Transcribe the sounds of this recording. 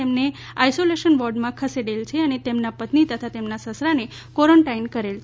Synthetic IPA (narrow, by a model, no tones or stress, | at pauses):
emne | ajsoleʃənʋɔɾɖmãkʰəseɽelt͡ʃʰeənet̪emnapət̪nit̪ət̪ʰat̪emnasəsɾane | kɔɾəɳʈainkəɾelt͡ʃʰe